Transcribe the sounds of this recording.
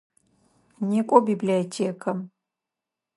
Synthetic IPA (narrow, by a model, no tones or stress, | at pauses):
nikʷʼɔbibliotʰeːkʰɐm